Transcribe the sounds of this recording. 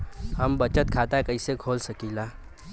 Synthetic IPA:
həmbət͡ʃət̪̚kʰat̪akəɪsekʰoːlsəkiːlaː

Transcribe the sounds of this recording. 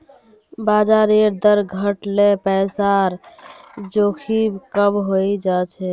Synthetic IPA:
bad͡ʒaɾeɾd̪əɾɡʱəʈlepɛjsaɾ | d͡ʒokʰibkəmɦojd͡ʒat͡ʃʰɛ

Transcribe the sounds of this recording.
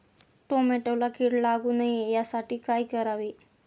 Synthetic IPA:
ʈomeʈəwlakiɽlaɡuːnajejasaʈʰiːkajkəɾaʋi

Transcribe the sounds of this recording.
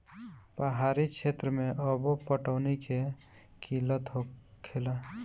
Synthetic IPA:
pəɦaɾikt͡ʃʃʰet̪ɾəmẽʔəbopəʈəʊnike | kʰilət̪ɦokʰela

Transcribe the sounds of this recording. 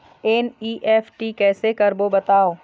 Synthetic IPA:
eːniːʔɛːfʈikɛːsekɐɾbobɐt̪aːoː

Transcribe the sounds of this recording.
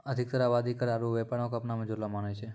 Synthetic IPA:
əd̪ʱik̚t̪əɾaʋad̪ikəɾaɾuʋepaɳokəpnamə̃d͡ʒoɾʋamanat͡ʃʰe

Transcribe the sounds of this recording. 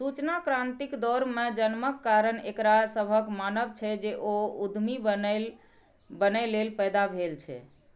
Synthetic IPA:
sut͡ʃnakɾãnt̪ikd̪ɔɾmed͡ʒənməkːaɾənekɾasəbʱəkmanəʋt͡ʃʰɛd͡ʒeʔoud̪ʱmibl | bənəlelpəjd̪abʱelt͡ʃʰɛ̰

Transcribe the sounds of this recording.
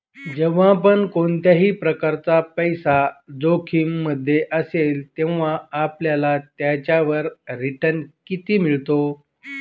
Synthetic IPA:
d͡ʑeʋãpəɳkoɳt̪jaɦiːpɾəkaɾt͡sapəjsad͡zokʰiːmːəd̪ʱːjeʔəselt̪ẽʋʋ̤aːpljalat̪jat͡ɕjaʋəɾɾiʈənkit̪iːmiɭt̪o

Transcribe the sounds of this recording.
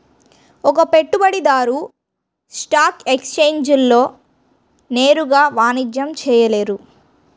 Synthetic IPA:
ɔk̬ɐpe̞ʈːubɐɽid̪aːɾu | sʈaːkekst͡ʃe̞ːɲd͡ʒulːo̞ː | ne̞ːɾuɡaːʋaːnid͡ʒjɐmt͡ʃɛːjɐle̞ːɾu

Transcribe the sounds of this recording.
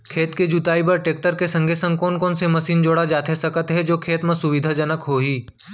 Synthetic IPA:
kʰeːt̪ked͡ʒut̪aːipɐɾʈeːk̚ʈəɾkesɐ̃ŋɡʱesə̃ŋkoːnkoːnsemɐsiːnd͡ʒoːɽad͡ʒaːt̪esɐkət̪ɦɛd͡ʒoːkʰeːt̪mẽsʊʋɪd̪ʱad͡ʒɐnəkɦoːɦiː

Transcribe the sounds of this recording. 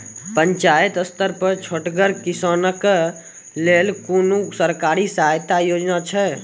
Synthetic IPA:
pəɲt͡ʃajət̪əst̪əɾpəɾt͡ʃʰoʈɡəɾkisənək | lelkonusəɾkaɾisaajt̪ajod͡ʒnat͡ʃʰɛ

